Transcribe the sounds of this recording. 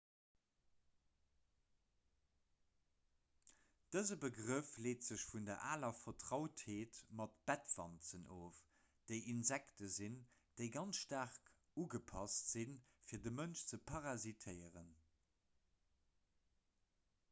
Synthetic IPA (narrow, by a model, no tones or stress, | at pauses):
d̥əzəbəɡʁəfleːtz̥əɕfundɐɐʔaːlɐfɐtʁ̥ɑʊtheːtmɑtb̥ætvɑ̰nt͡sənʔoːf | d̥eɪʔinzɛktəzind̥eɪɡɑnsʃtaʁk | uɡəpʰɑstz̥infiːɐdəmənʃt͡səpʰɑʁɑzitʰəɪəʁən